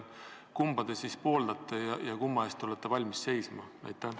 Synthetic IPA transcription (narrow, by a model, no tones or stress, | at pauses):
kumbɑd̪̥esispo̞ːld̪ɑt̪ˑːɑjɑjɑkumːɑest̪o̞let̪ːˑevɑlʲmisːe̞jsmɑ̰ɑ̰jt̪ˑːæ